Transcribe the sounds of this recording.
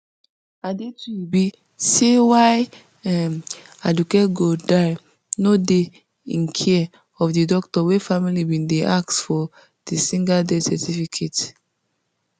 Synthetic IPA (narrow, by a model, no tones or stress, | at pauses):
adetuibi | sewaɪ | ɛmadukɛtɡodaɪ | node | ĩnkʰɛ | ɔfdidɔktɔwefamilibĩndeʔaksfɔ | d̥isĩŋɡadesɛtifikʰet